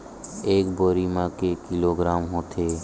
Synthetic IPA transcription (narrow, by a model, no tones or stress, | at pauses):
eːkboːɾimãkekɪloːɡɾaːmɦoːt̪ʰeː